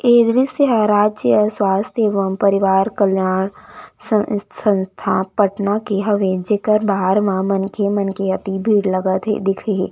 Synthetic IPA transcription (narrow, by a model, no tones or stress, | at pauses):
eːd̪ɾiseɦaɾaːd͡ʒjəswaːst̪ʰjeːʋəmpɐɾɪʋaːɾkəljaːɽ̃səsʰə̃nst̪ʰapəʈnakeɦɐʋed͡ʒekəɾbaːɾmãmɐnkemɐnkeɐt̪ibʱiːɽlɐɡət̪ḛd̪ɪkʰeḛː